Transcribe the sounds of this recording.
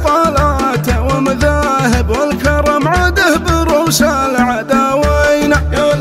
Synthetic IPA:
tˤɑːlaːt̪awɪmʊðaːhɪbwɪlkɑɾˤɑmʕad̪ahbɪɾʊsa | lʕad̪awajn

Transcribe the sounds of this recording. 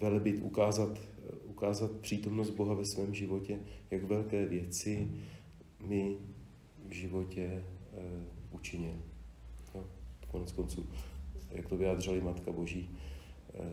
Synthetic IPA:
vɛlbɪt̪ʔṵkaːzat̪ukaːzat̪̚pr̝̥iːt̪o̞mnosd̪̚bo̞ɦavɛsvɛːmʒɪvo̞cɛjaɡvɛlkɛːvjɛt͡sɪ | mɪ | vʒɪvo̞cɛ | ʔut͡ʃɪɲɪljokonɛt͡skont͡suːja̰kt̪ovɪjaːd̪r̝ɪlɪmat̪kabo̞ʒiː

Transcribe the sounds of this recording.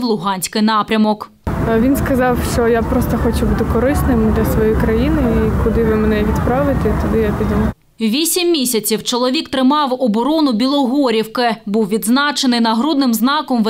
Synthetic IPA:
wlˠʊɦɑnʲsʲkɪjnɑpɾʲɐmɔk | ʋʲinskɐzɑwʃt͡ʃɔjapɾɔst̪ɐxɔt͡ʃʊbut̪ɪkɔɾɪsnɪmd̪lʲɐsʋɔjijkɾɐjinɪikʊd̪ɪʋɪmenɛʋʲit̪pɾɑʋɪt̪et̪ɔd̪ɪjapʲidʲim | ʋʲisʲimːʲisʲɐt͡sʲiwt͡ʃɔlˠɔʋʲikt̪ɾɪmɑwɔbɔɾɔnʊbʲilˠɔɦɔɾʲiwkɪbuwʋʲid̪znɑt͡ʃenɪjnɐɦɾud̪nɪmznɑkɔmʋ

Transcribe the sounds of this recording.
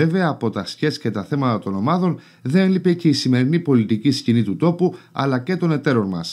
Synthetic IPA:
e̞ve̞ɐːpo̞t̪ɐsçe̞sce̞t̪ɐθe̞mɐt̪ɐt̪o̞no̞mɐðo̞n | ðenelipe̞ce̞isime̞ɾinipo̞lit̪iciscinit̪ut̪o̞puɐ̰lɐce̞t̪o̞ne̞t̪e̞ɾo̞nmɐs

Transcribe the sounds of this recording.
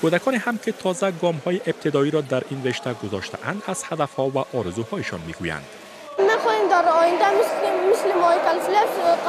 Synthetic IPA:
kod̪akɔnehamket̪ʰɒzaɡɒmhɒjeʔɪb̚t̪ʰɪd̪ɒiɾɒd̪aɾinɾeʃt̪aɡʊzɒ̰ʃt̪ʰa̰ʔand̪az̥had̪afhɒvaʔɒɾɪzuhɒjɪʃɒ̰nmiɡuja̰nd̪̥ | maχɔhemd̪aɾɔjɪnd̪amɪsmɪslɪmɔikʲalsɪlaq

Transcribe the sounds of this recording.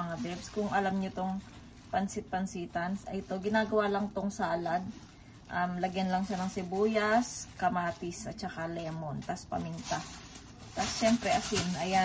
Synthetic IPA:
ɐŋabɛbskʊŋʔɐlamɲot̪oŋ | pɐnsɪt̪̚pɐnsiːt̪ɐnsɐ̰jt̪o̞ɡɪnaːɡɐwalɐŋt̪oŋsaːlɐd̪̚ | ʔɐmlɐɡjɐnlɐŋʃanɐŋsɪbuːjɐskɐmaːt̪ɪsʔɐt̪̚t͡ʃɐkalɛːmo̞nt̪aspɐ̰mɪnt̪a | t̪asʃɛmpɾɛʔɐsɪnʔɐja

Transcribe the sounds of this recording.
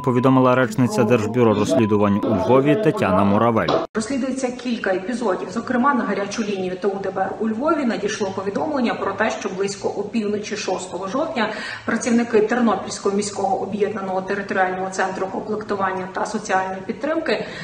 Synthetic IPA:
pɔʋʲid̪ɔmɪlˠɐɾɛt͡ʃnɪt͡sʲɐd̪ɛrʒbʲʊɾɔɾɔsʲlʲid̪ʊʋɐnʲulʲʋɔʋʲit̪ɐtʲanɐmɔɾɐʋɛ̰lʲrɔsʲlʲid̪ʊjet͡sʲːɐkʲilʲkɐepʲizɔdʲiwzɔkɾɪmɑnɐɦɐɾʲat͡ʃʊlʲinʲijʊt̪eud̪ɛbɛrʊlʲʋɔʋʲinɐdʲijʃlˠɔpɔʋʲid̪ɔmlˠenʲːɐpɾɔt̪ɛʃt͡ʃɔblˠɪsʲkɔʔupʲiwnɔt͡ʃʲiʃɔst̪ɔɦɔʒɔwtʲnʲɐ | pɾɐt͡sʲiwnɪkɪt̪eɾnɔpʲilʲsʲkɔɦɔmʲisʲkɔɦɔʔɔbjɛd̪nɐnɔɦɔt̪eɾɪt̪ɔɾʲialʲnɔɦɔt̪sɛnt̪ɾʊkɔmplˠekt̪ʊʋɑnʲːɐt̪ɐsɔt͡sʲiɑlʲnɔjipʲid̪ːɾɪmkɪ

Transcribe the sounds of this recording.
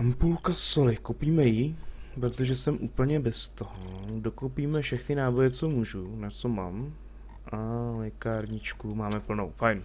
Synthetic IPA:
ampulkasolɪkowpiːmɛjɪpɾo̞t̪o̞ʒɛsɛmʔuːpl̩ɲɛbɛst̪oɦodo̞kowpiːmɛfʃɛxnɪnaːbo̞jɛt͡so̞muːʒunat͡so̞maːm | ʔalɛkaɾɲɪt͡ʃkumaːmɛpl̩nowfajn

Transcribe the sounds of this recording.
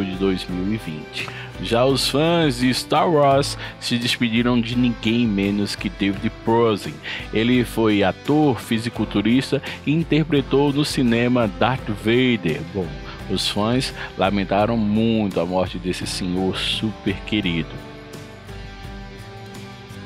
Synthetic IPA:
ʊd͡ʒɪd̪ojzmiwivḭ̃t͡ʃɪ̥ | ʒaʊsfɐ̃zd͡ʒɪst̪aɾwɔɾsːɪd̪ɪspid͡ʒiɾɐ̃w̃d͡ʒɪnĩɡẽj̃mẽnʊskɪd̪evid̪ɪpɾɔzĩelɪfojat̪oɾfizikʊt̪uɾist̪ɐɪĩnt̪eɾpɾet̪ownʊsinẽmɐd̪aɾt̪vejd̪eɾbõw̃ | ʊsfɐ̃j̃zlamẽnt̪aɾɐ̃w̃mũj̃t̪ʊamɔɾt͡ʃɪd̪esɪsẽɲoɾsupeɾkeɾid̪ʊ

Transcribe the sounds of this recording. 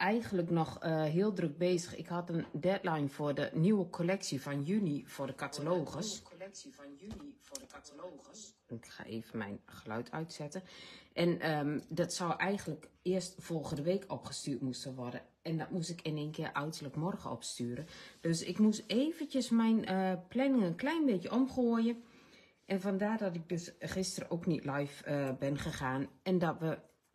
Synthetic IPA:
ʔɛjɣənləknɔxəɦɪəlˠdrøk̚beːzəxɪ̰khatəndɛtlajnfʊədəniwəkʰolɛksifɔnjynifʊːdəkatʰaloːɣəs | ɪkxa̰ʔḛːvənmɛ̰jnxəlœ̰ɥtʰœɥtsɛtəʔɛnədɔtsɔwʔɛjɣəndləkɪəstfolˠɣəndəʋeːkʰɔpxə̥styːtmustəʋɔrdə | ɛndɔt̚musɪkʰɪneːnkʰɪərʔœɥtərləkmɔrɣəɔ̰pstyːəɾəd̥øsɪkmuseːvəntjəsmɛjnəplɛnɪŋənklɛjnbeːkjəʔɔmχoəjə | ʔɛnfɔndaːrdɔtɪk̚døsχɪstərə̰ʔoknitlɛjfəbɪnχəxaːnɛndɔtʋə

